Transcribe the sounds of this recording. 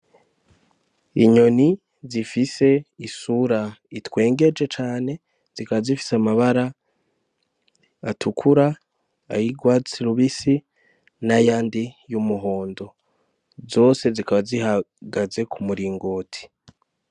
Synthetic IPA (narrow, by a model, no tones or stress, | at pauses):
iɲo̞ni | zifise̞isuɾaitwe̞ːŋɡe̞d͡ʒe̞t͡ʃaːne̞ | z̥ikaβazifi̥samaβaɾa | tʰukʰuɾa | a̰jiɡwaːt͡siɾuβisi | najaːndijumuɦo̞ːndo̞ | zo̞ːse̞zikaβazihaɡaze̞kʰumuɾiːŋɡoːtʰi̥